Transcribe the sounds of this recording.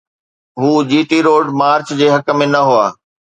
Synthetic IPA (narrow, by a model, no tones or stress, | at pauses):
ɦuːd͡ʑiːʈiɾoːɖmaːɾt͡ɕd͡ʑeːɦɐkə̆mẽnɐɦuaː